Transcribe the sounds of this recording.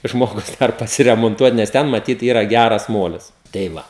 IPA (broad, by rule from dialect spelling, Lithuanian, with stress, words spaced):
ˈʒmoːɡʊs ˈdɐr pɐsʲɪrʲɛmoːnˈtuɔt nʲɛs ˈtʲɛn mɐˈtʲiːt ˈiːrɐ ˈɡʲærɐs ˈmoːlʲɪs tʲɛɪ ˈʋɐ